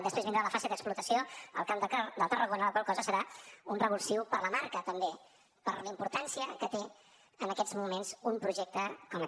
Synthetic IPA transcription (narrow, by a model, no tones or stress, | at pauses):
d̪əspɾezβindɾaləfaseðəksplut̪əsioə̰lˠkamd̪əd̪əlˠt̪ərəɣonələkwalˠkɔzəsəɾaunrəβulˠsiwpəɾləmaɾkət̪əmbe | pəɾləimpuɾt̪ansiəkət̪e | ənəkɛd͡zmumenzumpɾuʒɛk̚t̪əkɔm